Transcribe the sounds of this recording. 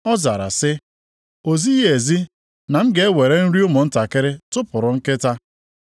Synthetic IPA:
ɔ˦za˨ɾa̰˨sɪ˦ | o˨zi˦je˨zi˦ | na˨m̩˦ɡe˨˦e˦we˨ɾe˦n̩˦ɾi˦ʊ˦mʊ˨n̩˦ta˨kɪ˦ɾɪ˦tʊ˦pʊ˨ɾʊ˨ŋ̩˦kɪ˦ta˦

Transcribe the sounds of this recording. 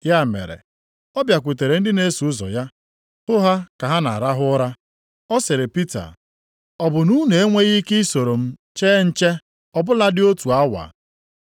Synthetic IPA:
ja˦˨mḛ˨ɾḛ˨ | ɔ˦bja˨kʷu˨t̬e˨ɾe˨n̩˦dɪ˦ne˦su˨ʊ˦zɔ̰˨ja˦ | hʊ˦ɦa˦ka˨ɦa˦na̰˨ɾa˦ɦʊ˦ɔ˦ɾa˦ | ɔ˦se˨ɾe˨pi˦ta̰˨ | ɔ˨bʊ˨nu˦ne˨e˦ŋʷe˦ɣi˦kɪ˦so˨ɾo˨m̩˦t͡ʃeː˦n̩˦t͡ʃe˦ | ɔ˨bʊ˦la˦dɪ˦o˦tu˨a˦wa̰˨

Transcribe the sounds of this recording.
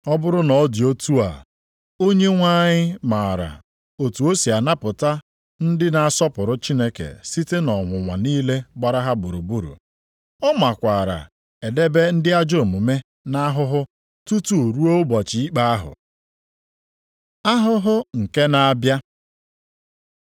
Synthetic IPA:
ɔ˦bʊ˦ɾʊ˦nɔ˨˦di˨o˦tu˦a̰˨ | o˦ɲe˦ŋʷa˦ɲɪ˦ma˨a˨ɾa̰˨ | o˨tu˨o˦si˨a˨na˦pʊ˨ta˦ | n̩˦dɪ˦na˨a˦˨sɔ˦pʊ˨ɾʊ˦t͡ʃi˦ne˦kḛ˨si˦te˦nɔ˨ŋʷʊ˨ŋʷa̰˨niː˦le˦ɡ͡ba˨ɾa˦ɦa˦bʊ˨ɾu˨bu˦ɾṵ˨ | ɔ˦ma˨kʷa˨ɾa̰˨ | e˨de˦be˦n̩˦dɪ˦a˦d͡ʒo˦˨mu˨me˦ | na˦ɦʊ˦ɦʊ˦ | tu˦tu˦˨ɾu˦o˦bɔ˨t͡ʃi˨i˦k͡pa˦a˦ɦʊ̰˨ | a˦ɦʊ˦ɦʊ˦ŋ̩˨ke˦na˦a˦bja˦

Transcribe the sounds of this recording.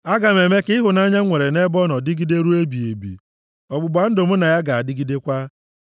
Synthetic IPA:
a˦ɡa˨me˨me˦kɪ˦ɦʊ˨na˦ɲa˦ŋʷe˨ɾe˨ne˦bɔ˦nɔ˨dɪ˦ɡi˦de˦ɾu˦e˦bi˨e˨bḭ˨ | ɔ˨ɡ͡bʊ˨ɡ͡ba˨n̩˦dʊ˨m̩˦na˨ja˦ɡa˨a˨dɪ˦ɡi˦de˦kʷa˦

